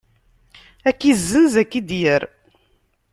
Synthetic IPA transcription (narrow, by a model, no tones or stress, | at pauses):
ækːizːəzækːid̪jəɾ